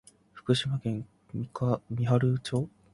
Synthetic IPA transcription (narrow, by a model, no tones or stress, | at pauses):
ɸɯ̟̥kɯ̟ɕimaɡẽ̞ŋʲ | ikamʲiɦaɾɯ̟t͡ɕo̞ː